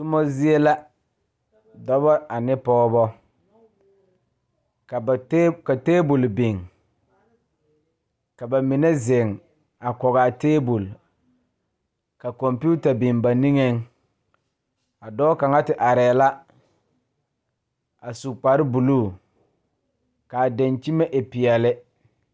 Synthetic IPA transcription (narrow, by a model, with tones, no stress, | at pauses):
tʊ˦mɔ˦zi˦e˦la˦ | dɔ˦bɔ˦a˨nɪ˦pɔː˦bɔ˦ | kka˨teː˦bu˨lbi˨ŋ | ka˨ba˨mɪ˨ne˦zɪ˨ŋ | a˨kɔ˨ɣa˨teː˦bu˨l | ka˨kɔ˨mpi˦u˦ta˨bɪ˨nba˨ni˦ŋe˦ŋ | a˨dɔ˦ka˨ŋa˦tɪ˨ʔa˨ɾɛː˨la˦ | a˨su˨k͡pa˨ɾɪ˦bu˨lu˦˨ | ka˨de˨nt͡ʃi˦mɛ˦ʔɪ˨pɪ˨ɛ˨lɪ˦